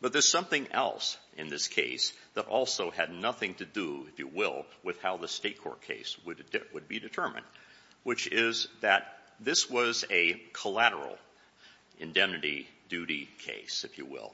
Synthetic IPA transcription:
b̥ʌt̪̚ðə˞z̥sʌ̃mθɪ̃ŋɛ̰lˠsʔɨ̰̃nðɪskʰeɪsðəɾʔɔ̰lˠsoʊɨdⁿnʌθɪ̃ŋtʰɨdəɪfjɨwɪ̰lˠwɨð̥haʊðəsteɪt̚kʰɔ̰ɹt̚kʰḛɪswɨwəd̚bidɨtʰɜ˞mɨ̰̃nd̚ | wɨt͡ʃɪzðɨt̪̚ | ðɪswʌzɨkʰəlæɾə̰˞l̩ˠ | ʔɨ̃ndɛ̃mnɨɾḭdʉɾikʰḛɪsɨfjɨ̰wɪ̰lˠ

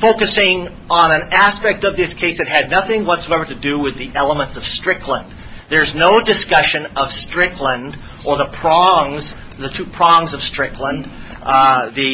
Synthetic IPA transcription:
foʊkɨsɪ̃ŋ | ə̃nɨ̃næspɛk̚tʌvðɪskʰeɪsðɨt̚ɦɨdⁿnʌθɪ̃ŋwʌtsoʊɛvə˞ɾɨdɨwɪðiʔɛlˠəmə̃ntsʌv̥stɹ̥ɪkʰlə̃n | ðə˞znoʊdɨskʌʃɨ̃nʌv̥stɹ̥ɪkʰlə̃nd | ʔə˞ðəpʰɹ̥ɑ̃ŋz | ðɨtʰʉpʰɹ̥ɔ̃ŋzʌv̥stɹ̥ɪkʰlə̃n | ðɨ

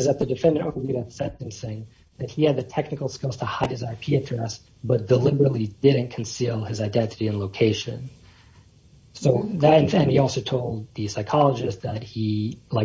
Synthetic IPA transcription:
ʌzɨt̪̚ðɨdɨfɛ̃ndə˞ʔõʉɾɨsɛ̃ntɨ̃nsɪ̃ŋ | ðɨt̚hiɨd̪̚ðɨtʰɛknɨkl̩ˠskɪlˠz̥tʰəhaɪd̚ɨzaɪpʰiɨdɹɛs | b̥ʌt̚d̥əlɪbə˞ɨtˡlidɪdⁿn̩kʰn̩silˠɨzaɪdɛ̃ntɨɾiɨ̃nloʊkʰeɪʃɨ̰̃n | soʊðɨɾɨ̃nfɨ̃niɔlˠsoʊtʰoʊlˠd̪̚ðɨsaɪkʰɑlˠəd͡ʒɨsðət̚hilaɪ

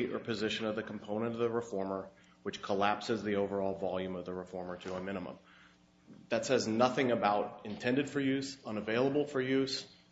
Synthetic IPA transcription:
ɾʔə̰˞pʰɨzɪʃɨ̃nʌvðɨkʰm̩pʰõʊ̃ñɨ̃nʌvðəɹɨfɔɹmə˞ | wɨt͡ʃkʰəlæpsɨzðioʊvə˞ɔlˠvɑlˠjʉ̃mʌvðɨɹɨfɔɹmə˞ɾɨəmɪ̃ñəmə̰̃m | ðɨtsɛznʌθɪ̃ŋɨbaʊɾɨ̃ntʰɛ̃ndɨd̥fə˞jʉzʌ̃nəveɪlˠəbl̩ˠfə˞jʉz̥

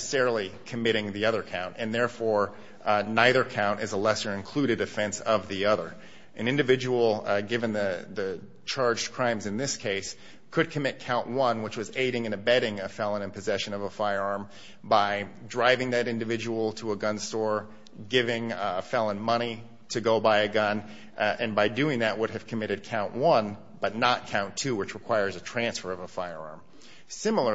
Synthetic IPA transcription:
sɛɹl̩ˠikʰɨmɪɾɪ̃ŋðiʌðə˞kʰãʊ̃ntɨ̃nðɛɹfɔɹ | naɪðə˞kʰãʊ̃ntɨzəlɛsə˞ɨ̃nkʰl̥ʉɾɨɾɨfɛ̃nsʌvðiʌðə̰˞ | ʔɨ̃nɪ̃ndɨvɪd͡ʒəwl̩ˠɡɪvɨ̃nðɨðɨ | t͡ʃʰɑɹd͡ʒkʰɹ̥ãɪ̃mzɨ̃nðɪskʰeɪs | kʰɨd̚kʰɨmɪt̚kʰãʊ̃nʔwʌ̃nwət͡ʃwʌzeɪɾɪ̃ŋɨ̃nɨbɛɾɪ̃ŋɨfɛlˠə̃nɨ̃npɨzɛʃɨ̃nʌvəfaɪə˞ɑɹm | baɪdɹaɪvɪ̃ŋðɨɾɪ̃ndɨvɪd͡ʒəwl̩ˠtʰəəɡʌ̃nstɔɹ | ɡɪvɪ̃ŋəfɛlˠə̃nmʌɾ̃i | ɾɨɡoʊbaɪɨɡʌ̃n | ɨ̃nbaɪdʉɪ̃ŋðɨʔ̚wʊɾɨv̥kʰɨmɪɾɨd̚kʰãʊ̃nʔwʌ̃n | b̥ʌtⁿnət̚kʰãʊ̃ntʰʉwɨt͡ʃɹɨkʰw̥aɪə˞zɨtʰɹ̥æ̃nsfə˞ʌvəfaɪə˞ɑ̰ɹm | sɪ̃ml̩ˠə˞

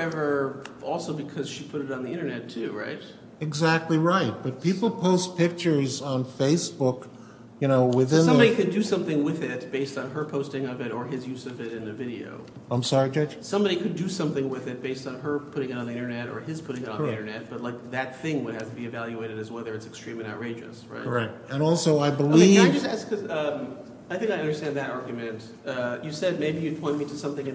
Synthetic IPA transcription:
ɛvə˞ɔlˠsoʊbɨkʰʌz̥ʃipʰʊɾɨɾn̩ðiɪ̃ɾ̃ə˞nɛtʰʉɹaɪt̚ | ɨɡzæk̚tˡliɹaɪt̚b̥ʌt̚pʰipl̩ˠpʰoʊspʰɪk̚t͡ʃə˞zn̩feɪsb̥ʊk | jɨñoʊwɪðɪ̃snʌ̃bɑɾikɨdɨsʌ̃mθɪ̃ŋwɪðɪt̚b̥eɪstn̩ə˞pʰoʊstɪ̃ŋʌvɨɾə˞ɨzjʉzʌvɨɾɨ̃nɨvɪɾio̰ʊ | ʔãɪ̃msɑɹid͡ʒʌd͡ʒsʌ̃mbɑɾikʰɨdɨsʌ̃mθɪ̃ŋwɪðɨt̚b̥eɪstn̩ə˞pʰʊɾɪ̃ŋɨɾn̩ðiɪ̃ñə˞nɛɾə̰˞ɪz̥pʰʊɾɪ̃ŋɨɾniɪ̃ñə˞nɛt̚b̥ʌtˡlaɪk̚ðɨt̪̚θɪ̃ŋwəɾ̚æ̰z̥təb̥iɨvælˠjʉeɪɾɨɾɨzwɛðə˞ɨtsɨkstɹ̥ĩmɨ̃ñaʊʔ̚ɹeɪd͡ʒɨ̰sɹa̰ɪtɹaɪt̚ɨ̃nɔlˠsoʊaɪbəliɪd͡ʒʌstæskʰʌzʌ̃m | aɪθɪ̃ŋkaɪʌ̃ndə˞stæ̃nðɨɾɑɹɡjɨmɨ̃nt | ʌjɨsɛd̚meɪbijɨd̚pʰɔ̃ɪ̃nmiɾɨsʌ̃mθɪ̃ŋɨ̃

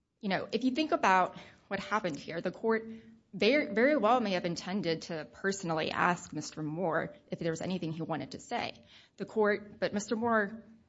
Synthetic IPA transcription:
jɨñoʊʔɨfjɨθɪ̃ŋkəbaʊt̚wʌt̚hæpɨ̃nd̚hiɹðɨkʰɔɹt̚ | vɛɹivɛɹiwɛlˠmeɪɨvɨ̃ntʰɛ̃ndɨd̚tʰɨpʰɜ˞sn̩l̩ˠḭʔæ̰sk̚mɪstə˞mɔɹʔɨfðə˞wʌzɛ̰ñiθɪ̃ŋiwɑ̃ɾ̃ɨd̚tʰɨseɪ | ðɨkʰɔɹt̚b̥ʌt̚mɪstə˞mɔɹ

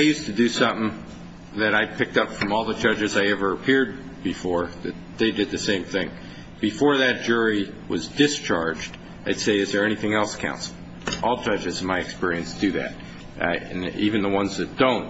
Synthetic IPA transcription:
ɪjʉstɨdɨsʌ̃mθɪ̃ŋ | ðɨɾaɪpʰɪk̚tʌpfɹʌ̃mɔlˠðəd͡ʒʌd͡ʒɨzaɪɛvə˞əpʰɪɹd̚ | b̥ɨfɔɹðɨ̰t̪̚ðeɪdɨd̪̚ðɨsẽɪ̃mθɪ̃ŋ | b̥ɨfɔɹðɨt̚d̥ʒ̥ʊɹi | wʌzdɨst͡ʃʰɑɹd͡ʒd̥ | aɪd̥seɪɨzðə˞ɛñiθɪ̃ŋɛlˠskʰã̰ʊ̃ntsl̩ˠ | ʔɔlˠd͡ʒʌd͡ʒɨz̃nmaɪɨkspɪɹiɨ̃nsd̥ɨðɨ̰ɾ̚ | ɨ̃nivɨ̃nðəwʌ̃nzðɨt̚d̥õʊ̃nt̚

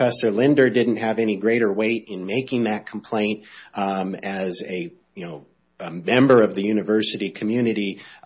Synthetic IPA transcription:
fɛsə˞lɪ̃ndə˞dɪdⁿn̩t̚ɦɨvɛñiɡɹeɪɾə˞weɪɾɨ̃nmeɪkɪ̃ŋðɨt̚kʰm̩pʰl̥ẽɪ̃nt̚ | ɨzɨ | jɨnoʊ | mɛ̃mbə˞ʌvðɨjʉnɨvɜ˞sɨɾikʰmjʉnɨɾi

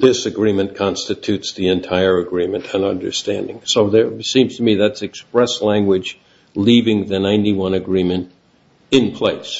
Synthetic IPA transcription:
ðɪsɨɡɹĩmɨ̃nkʰɑ̃nstɨtʰʉtsðiɨ̃ntʰaɪə˞ɨɡɹĩmɨ̃ntʰɨ̃nʌ̰̃ndə̰˞stæ̃ndɪ̃ŋsoʊðə˞sĩmz̥tʰəmiðætsɨkspɹɛslæ̃ŋɡwɨd͡ʒ | livɪ̃ŋðɨnãɪ̃ntiwʌ̃nɨɡɹĩmɨ̃nt | ɨ̃npʰl̥eɪs

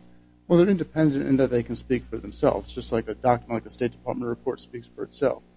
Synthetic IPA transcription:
wɛlˠðə˞ɪ̃ndɨpʰɛ̃ndɨ̃ntɨ̰̃nðɨt̪̚ðeɪkɨ̃nspikfə˞ð̃m̩sɛ̰lˠvzd͡ʒʌst̚ˡlaɪkɨdɑk̚tnlaɪkəsteɪt̚d̥ɨ̥pʰɑ̰ɹt̚mə̃nɹɨpʰɔɹtspiksfə˞ɨtsɛ̰lˠf

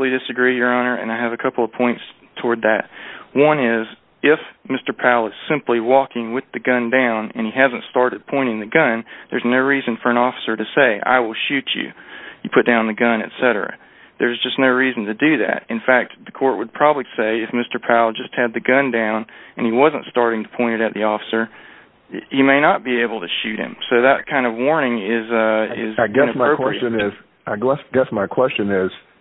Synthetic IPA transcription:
lˠidɨsɨɡɹijə˞ɑ̃nə˞ʔɨ̰̃naɪɨvɨkʰʌpl̩ˠʌv̥pʰɔ̃ɪ̃nts | tʰɔɹd̪̚ðɨt̚wʌ̃nɪz | ɪfmɪstə˞pʰaʊlˠɨz̥sɪ̃mpliwɔkɪ̃ŋwɨðɨɡʌ̃ndãʊ̃nɨ̰̃niɦæzɨ̃ntstɑɹɾɨd̚pʰɔ̃ɪ̃ɾ̃ɪ̃ŋðɨɡʌ̃nðə˞znoʊɹizɨ̃n̩fə˞ɨ̃nɔfə̥sə˞ɾɨseɪʔa̰ɪwɪlˠʃʉt͡ʃʉ̰jɨpʰʊt̚d̥ãʊ̃nðɨɡʌ̃nɨ̰tsɛɾə̰˞ɨ̰ | ðə˞zd͡ʒʌstⁿnoʊɹizn̩tɨdɨðæ̰t̚ɨ̃nfæk̚t̪̚ðɨkʰɔɹʔ̚wəd̚pʰɹ̥ɑbəbliseɪɨfmɪstə˞pʰæʊlˠd͡ʒʌst̚hɨd̪̚ðɨɡʌ̃ndãʊ̃nɨ̃niwʌzə̃ntstɑɹɾɪ̃ŋtʰə̥pʰɔ̃ɪ̃ɾ̃ɨɾɨt̪̚ðiɔfə̥sə˞ | himeɪnət̚b̥ieɪbl̩ˠtʰɨʃʉt̚hɨ̰̃msoʊðɨt̚kʰãɪ̃ndʌvwɔɹnɪ̃ŋɪzʌɪ̰zɡɛnɨpɹoʊwpɹɛiɨɨ̃nɪz̥ | ʔaɪɡɛsɡ̥ɛsmaɪkʰw̥ɛst͡ʃɨ̃nɪz̥

